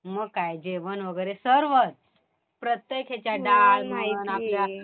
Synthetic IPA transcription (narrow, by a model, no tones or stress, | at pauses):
məɡkajd͡ʑeʋənʋəɡəjɾesəɾʋət̪̚ | pɾət̪jekʰet͡ɕjaɖalmainaplja